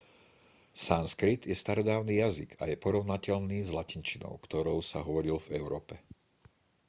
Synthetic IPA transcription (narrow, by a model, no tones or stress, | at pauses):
sanskɾit̪jɛst̪aɾɔd̪aːʊniːjazḭɡajɛpɔɾɔʊnacɛʎniːzlacint͡ʃinɔ̰ʊkt̪ɔɾɔʊsa̰ɦɔʋɔɾilvɛʊɾɔːpɛ